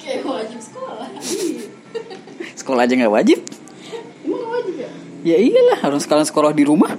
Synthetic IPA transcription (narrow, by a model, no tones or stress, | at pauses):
kekolad͡ʒasə̥kolahi | sə̥kolahd͡ʒaŋɡaʔwad͡ʒɪp̚ | umaŋɡawad͡ʒip̚ajaijalahoɾaŋsə̥kalaŋsə̥kolahdiɾumah